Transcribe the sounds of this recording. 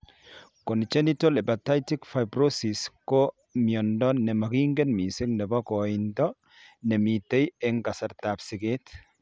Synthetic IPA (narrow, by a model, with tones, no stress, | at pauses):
kɔ˨nt͡ʃɛ˦ni˦t̪ɔ˦le˨bɐ˨t̪ːa˦jt̪ikfajbɾosi˨sko | miɔndɔ˦nːɛ˨mɐ˨ɡi˦ŋɡɛ˦nmi˨sɪ˦ŋnɛ˨bɐ˦ko˨ind̪ɔ˦ | ne˨mi˨t̪ːɐ˦jeŋkɐ˨sɐ˨ɾt̪a˨bsɪ˨ɡe˦t̪